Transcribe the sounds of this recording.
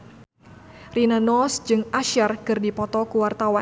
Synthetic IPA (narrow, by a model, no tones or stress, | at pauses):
rinanɔsd͡ʒɨŋʔaʃarkɨrdipɔt̪ɔkuwart̪awa